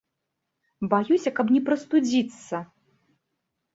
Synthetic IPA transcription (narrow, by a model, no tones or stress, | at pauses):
bajusʲɐkɐp̬nʲɛpɾɐst̪ud͡zʲit̪sːɐ